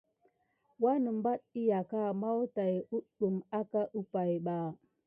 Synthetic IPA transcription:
wa˦nə˨m˦ba˦ɗ̚i˦ja˨ka˦˨ma˦wta˨ju˦ɗu˨ma˦ka˦ʔu˦pa˨jɓa˨

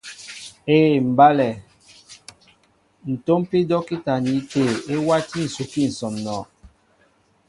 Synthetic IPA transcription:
eː˦˨m̩˨ba˦lɛ˨ | n̩˨to˦m˦pi˦dɔ˦ki˦ta˨ni˨˦te˦˨e˦wa˦ti˦˨n̩˨su˨ki˦˨n̩˨sɔ˨mnɔː˨

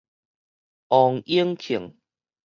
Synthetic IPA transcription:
ɔ˨˩ŋi˦əŋkʰi˨˩ŋ

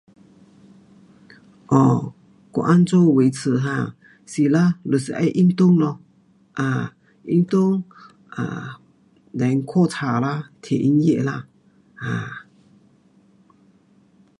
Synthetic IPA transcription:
ʔɔ˨ | ko̰˨ʔa˦˥nt͡so˥˨we˨˧˦jt͡sʰɨ˨˩ɦã˧˨ | si˨˩la˦lə˨si˨˧˨ʔa̰˧˥jʔi˦˥nt̪ʊ˥˨ŋlɔ˧ | ʔa˧˩ | ʔi˦˥nt̪ʊ˥ŋ | ʔa̰˨ | la˨˦ŋkʰo˥˨t͡sʰa˨la˦˥t̪ʰe˨ʔi˧˥nje˥˨la˧˥˨ | ha˧˩

